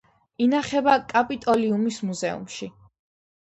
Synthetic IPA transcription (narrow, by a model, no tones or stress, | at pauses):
inaχɛbakʼapʼit̪ʼɔliumismuzɛṵmʃi